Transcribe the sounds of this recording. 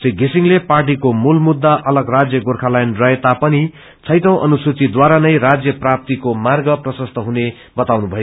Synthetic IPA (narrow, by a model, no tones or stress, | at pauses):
t͡sʌjɡisiŋleparʈ̬ikomulmud̪ːaʔʌlʌɡrad͡zjʌɡorkʰalajnrʌɦet̪apʌni | t͡sʰʌjt̪ʌ̃w̃ʔʌ̰nusut͡sid̪waɾanʌjɾad͡zjʌprap̚t̪ikomarɡʌprʌsʌst̪ʰʌɦune | bʌt̪awnubʱʌjo